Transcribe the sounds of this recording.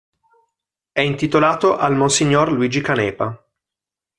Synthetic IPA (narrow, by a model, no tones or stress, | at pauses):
ɛint̪it̪olaːt̪oʔalmonsiɲːorluiːd͡ʒikanɛːpa